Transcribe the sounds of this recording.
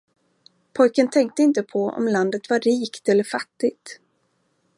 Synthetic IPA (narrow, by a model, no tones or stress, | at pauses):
pʰɔjkənt̪ʰɛŋk̚t̪əɪnt̪əpʰɔɔ̰mland̪ət̪vaɾiːkt̪ɛlːəɾfat̪ːɪɡ̚t̪